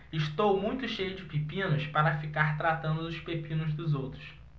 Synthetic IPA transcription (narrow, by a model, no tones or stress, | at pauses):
ɪʃt̪owmũj̃t̪ʊʃejʊd͡ʒɪpipĩnʊspaɾɐfikaɾt̪ɾat̪ɐ̃nd̪ʊʊspepĩnʊzd̪ʊzowt̪ɾʊs